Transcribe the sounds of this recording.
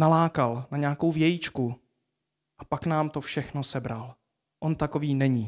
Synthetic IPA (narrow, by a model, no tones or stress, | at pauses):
nalaːkalnaɲɛako̞wvjɛjit͡ʃku | ʔapaknaːmt̪o̞fʃɛxnosɛbɾal | ʔo̞nt̪ako̞viːnɛɲi